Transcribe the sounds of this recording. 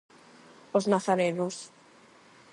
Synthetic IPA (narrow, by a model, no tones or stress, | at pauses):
oznaθaɾenos